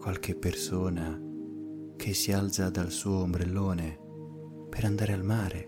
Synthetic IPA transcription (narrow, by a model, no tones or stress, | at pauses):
kwalkɪpːersoːna | kʰesːialt̪sad̪alsuːombɾelːoːne | peɾand̪aːɾealmaːɾʔe